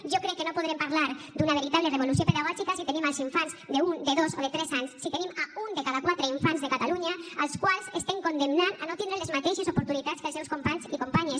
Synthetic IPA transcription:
ʒokɾɛkːenopuð̞ɾempaɾlaɾd̪unaβeɾit̪aβlereβ̞olus̬jopeðaɣ̞ɔʒikasit̪enimalˠziɱfanzd̪eund̪eðozoðet̪ɾɛzaɲsːit̪enimaund̪ekaðakwat̪ɾeiɱfanzðekat̪aluɲaalˠskwalˠzest̪eŋkond̪emnananot̪indɾenlezmat̪eʃezupuɾt̪unit̪at̪skəlˠsewskompaɲzikompaɲes

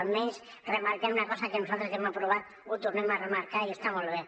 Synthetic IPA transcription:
lmẽns | remaɾkeɾunakɔsakenusalt̪ɾezemapɾoβ̞at̪ | ut̪uɾnemaremaɾkaɾiest̪amolβ̞e

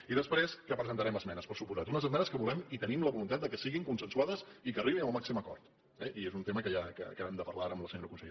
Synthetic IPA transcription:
iðəspɾeskapɾəzənt̪əɾɛməzmɛnəspəɾsupuzat̪unəzəzmɛnəskəβulɛmit̪ənimləβulunt̪at̪̚d̪əkəsiɣiŋkunsənsuaðəzikəriβinəlˠmaksiməkɔ̰ɾt̪ | ɛʔiezunt̪eməkəʒakə̰kəβɛmd̪əpəɾlaaɾəmləsəɲoɾəkunsəʎe

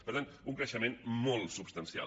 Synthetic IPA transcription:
pəɾt̪anuŋkɾəʃəmẽnmɔlˠsupst̪ənsia̰

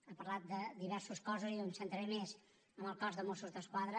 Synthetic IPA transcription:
əpəɾlat̪̚d̪əd̪iβɛɾsuskɔzuziomsənt̪ɾəɾemez | əməlˠkɔzðəmosuzðəskwaðɾə

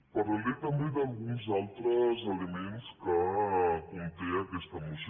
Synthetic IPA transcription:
pɐɾlalet̪ɐmbed̪ɐlˠɣunzalˠt̪ɾəzɐlemenskəkunt̪eɐkɛst̪ɐmus

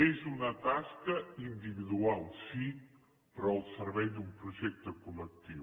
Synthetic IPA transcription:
ezunət̪askəind̪iβiðualˠsi | pɾɔəlˠsəɾβɛjd̪umpɾuʒɛk̚t̪əkulək̚t̪iw

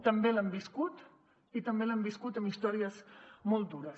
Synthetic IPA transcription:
t̪əmbelambiskut̪ | it̪əmbelambiskut̪əmist̪ɔɾiəzmɔlˠt̪̚d̪uɾəs

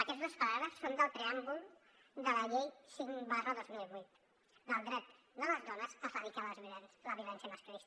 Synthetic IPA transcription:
əkɛt̪zðospaɾaβɾəsːond̪əlˠt̪ɾeambulˠ | d̪ələʎejsiŋbalzoðozmilβujt̪ | d̪əlˠd̪ɾɛt̪ | d̪ələzðɔnəsəfaβikaləlzβjiulɛnsləβjulɛnsjəməskɾist̪

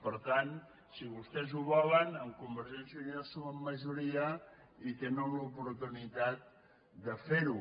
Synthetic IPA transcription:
pəɾt̪an | siβust̪ɛzuβɔlənəmkumbəɾʒɛnsuniɛsoməmːəʒuɾiə | it̪enomləupuɾt̪unit̪at̪̚ | d̪əfeɾu

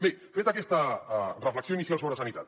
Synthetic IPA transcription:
befet̪akɛst̪ərəfləksjoinisjalˠsoβɾəsənit̪at̪

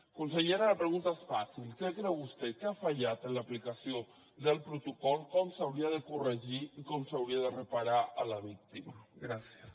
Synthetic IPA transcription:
kuns̬əʎeɾaləpɾəɣunt̪aesfasilˠkɛkɾɛwβust̪ɛkɛafaʎat̪ənləplikasio | ðəlˠpɾut̪ukɔlˠkɔmsawɾiəðəkurəʒiikɔmsawɾiaðərəpaɾaələβ̞ik̚t̪imaɡɾasjəs

